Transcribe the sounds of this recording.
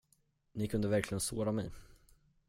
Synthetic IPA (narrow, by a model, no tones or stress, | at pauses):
nɪkʰɵnd̪əvæɾkʰlɪɡənsoːɾamɛj